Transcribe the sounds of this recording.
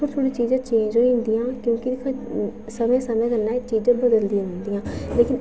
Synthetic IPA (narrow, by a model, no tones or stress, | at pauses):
oɾt̪ʰoːɽiːt͡ʃiːzãːt͡ʃẽːɲd͡ʒɦoːĩnd̪ijãːkjõːkɪkʰː | səmẽːsəmẽːkənːãːt͡ʃiːd͡ʒãːbəd̪əld̪iʊ̃nd̪iːãːleːkɪn